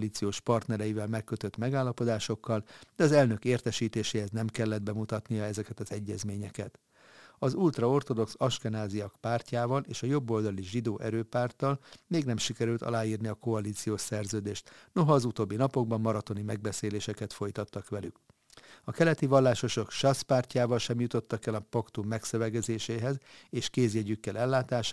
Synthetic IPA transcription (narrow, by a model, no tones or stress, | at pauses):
liːt̪sijoːʃpɒrt̪nɛɾɛjivɛlmɛkːø̞t̪ø̞t̪mɛɡaːlːɒpo̞d̪aːʃo̞kːɒld̪ɛɒzɛlnø̞keːrt̪ɛʃiːt̪eːʃeːhɛznɛmkɛlːɛd̪̚bɛmut̪ɒt̪nijɒɛzɛkɛt̪ɒzɛɟːɛzmeːɲɛkɛt̪ | ɒzult̪rɒo̞rt̪o̞d̪o̞ksɒʃkɛnaːziɒkpaːrcaːvɒleːʃɒjo̞bːo̞ld̪ɒliʒid̪oːʔɛɾøːpaːrt̪ɒlmeːɡnɛmʃikɛɾylt̪ɒ̰laːjiːrniɒko̞ɒlit̪sijoːʃsɛrzøːd̪eːʃt̪no̞ɦɒːzut̪oːbːinɒpo̞ɡ̚bɒmːɒɾɒt̪o̞nimɛɡ̚bɛseːleːʃɛkɛt̪fo̞jt̪ɒt̪ːɒkʋɛlyk | ɒkɛlɛt̪ivɒlːaːʃo̞ʃo̞kʃɒspaːrcaːvɒlʃɛmjut̪o̞t̪ːɒkɛlɒpɒkt̪umːɛksøvɛɡɛzeːʃeːɦɛzeːʃkeːzjɛɟykːɛlɛlːaːt̪aːʃ